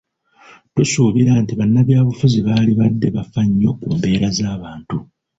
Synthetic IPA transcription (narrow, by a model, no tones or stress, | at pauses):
tusuːβiɾaːntiβanːaβjaːβufuziβaːliβadːe̞βafaɲːo̞kumbe̞ːɾazaːβaːntu